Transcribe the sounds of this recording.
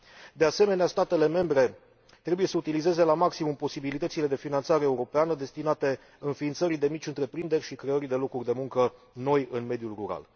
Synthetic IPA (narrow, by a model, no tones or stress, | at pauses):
d̪e̞ase̞me̞neast̪at̪e̞le̞me̞mbɾe̞ | t̪ɾe̞buje̞səut̪ilize̞ze̞lamaksimumpo̞sibilit̪ət̪sile̞d̪e̞finant̪saɾeːuɾo̞peanəd̪e̞st̪inat̪e̞ | ɨnfiːnt̪səɾijd̪e̞mit͡ʃʲɨnt̪ɾe̞pɾind̪e̞rʲʃikɾe̞əɾid̪e̞lo̞kurʲd̪e̞muŋkə | no̞jɨnme̞d̪julruɾa̰l